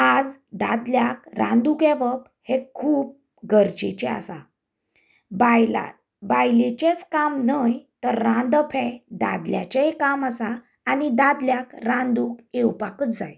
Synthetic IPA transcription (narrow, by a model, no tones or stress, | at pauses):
ad͡zd̪ad̪ljakɾã̰nd̪ukeʋəp | hekʰuːp̚ | ɡəɾd͡ʑet͡ɕɛa̰sa | bajl̰ | bajlet͡ɕet͡skamnəjt̪əɾːãnd̪əpʰɛ̃d̪a̰d̪lja̰t͡ɕeekaməsaː | nid̪ad̪ljakɾãnd̪uːkewpakət͡sd͡za̰j